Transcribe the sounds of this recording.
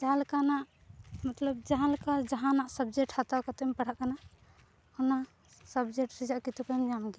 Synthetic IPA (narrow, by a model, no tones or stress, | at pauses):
d͡ʒaɦalkanaʔ | mət̪ləb̚d͡ʒaɦalkad͡ʒəɦãnaʔsəbd͡ʒek̚ʈʰhat̪akət̪empəɽ̤aʔkana | huna | səbd͡ʒek̚ʈsid͡ʒaʔkit̪ukamamɡi